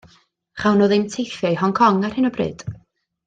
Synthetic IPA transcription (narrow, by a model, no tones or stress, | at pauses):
χawnoːðɪmtʰejfjajhɔŋkʰɔŋar̥hɪnɔbrɨ̰ːd̥